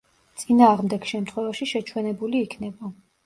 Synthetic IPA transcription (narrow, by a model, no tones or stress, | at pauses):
t̪sʼinaːʁmd̪ɛɡ̥ʃɛmt̪ʰχwɛvaʃiʃɛt͡ʃʰwɛnɛbuliːkʰnɛba